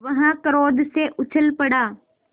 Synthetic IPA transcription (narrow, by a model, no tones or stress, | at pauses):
ʋɐɦãkəɾoːd̪seʔʊt͡ɕʰəlpɐɽaː